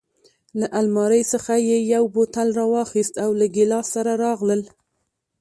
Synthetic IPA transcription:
laʔalmɑɾəjsəxajejawbot̪alɾɑwɑxist̪awlaɡɪlɑsaɾaɾɑɣləl

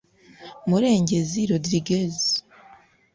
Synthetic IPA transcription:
muɾe̞ːɲɟeziɾodɾiɡezi

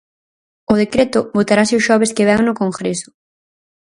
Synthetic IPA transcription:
ʊð̞ekɾet̪ʊβot̪aɾasɪʊʃɔβ̞eskeβɛŋnʊkoŋɡɾesʊ̥

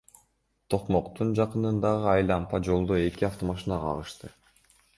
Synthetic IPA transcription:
t̪ʰo̞qmoqt̪und͡ʒɑqɯnɯnd̪ɑʁɯɑjlˠɑmpɑd͡ʒo̞lˠd̪oe̞kiɑft̪o̞mɑʃinɑqʰɑ̰ʁɯʃt̪ɯ

